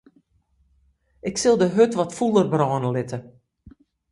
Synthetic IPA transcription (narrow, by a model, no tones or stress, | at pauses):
ɪksɪlˠdəɦøtʋɔtfulˠərbrɔːnəlɪtə